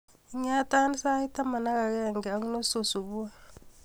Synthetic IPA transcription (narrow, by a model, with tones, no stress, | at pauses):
i˦ɲa˦ta˦ni˦sa˦i˦ta˦ma˨na˦ɣa˨ɣɛ˦˨ŋɡɛ˨a˨˦ŋu˦no˦so˨su˨βu˦a˦˨